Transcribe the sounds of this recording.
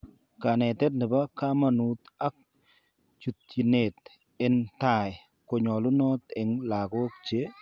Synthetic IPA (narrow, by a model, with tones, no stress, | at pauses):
ka˨nɛ˨tɛ˦t̚nɪ˨ba˦ka˦ma˨nu˨˦t̪a˦k̚ | t͡ʃu˨tːi˨ne˨t̪̚ | ɪ˦nta˦˨j | ko˨ɲɔ˨lʊ˦nɔ˦t̪ɛ˨ŋla˨ɡɔ˦kt͡ʃe˦